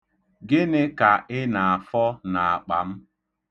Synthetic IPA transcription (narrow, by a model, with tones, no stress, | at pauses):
ɡɪ˦nɪ˦ka˨ʔɪ˦na˨a˨fɔ˦na˨a˨k͡pa˨m̩˦